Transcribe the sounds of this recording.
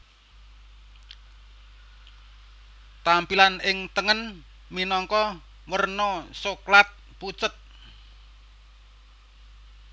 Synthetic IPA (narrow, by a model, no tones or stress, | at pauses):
t̪ampilanɪŋt̪əŋən | minɔŋkɔ | wərnosoklat̪̚ | put͡ʃət̪̚